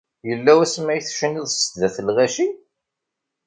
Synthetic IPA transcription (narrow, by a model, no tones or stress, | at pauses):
jəlːæwæsmæjθʃəniðˤsðæθəlʁæʃi